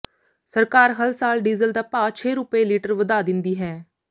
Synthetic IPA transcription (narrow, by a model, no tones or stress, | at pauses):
səɾkaːɾɦəlsaːlɖiːzəld̪aːpaːt͡ʃʰeːɾʊpeːliːʈəɾʋəd̪aːd̪ɪnd̪iːɦɛː